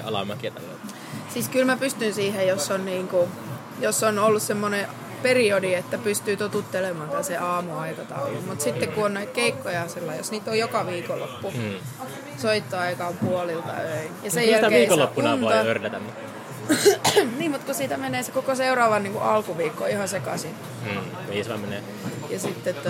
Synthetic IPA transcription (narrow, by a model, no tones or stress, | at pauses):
ɑ̰lɑ̰mɑkit̪ɑ̰l̰ | siːskylmæpyst̪ynsiːhejjosːonniːŋku | josːonolːussemːone | periodiet̪ːæpyst̪yːt̪ot̪ut̪ːelemɑːnt̪æseʔɑːmuɑikɑt̪ɑ̰ulṵmmut̪sit̪ːekkuonnoit̪keikːojɑsilːɑijjosniːt̪ojjokɑʋiːkolːo̰pːu | soit̪ːoɑikɑmpuolilt̪ɑ̰øijɑssejælæeʋiːkolːopːunɑntoørdæt̪æmːut̪ː | niːmmut̪kusiːt̪æmeneːsekokoseurɑːʋɑnniːŋkuʔɑlkuʋiːkːo̰ihɑsekɑ̰si | kisʋɑ̰menḛː | jɑsit̪ːet̪ːæ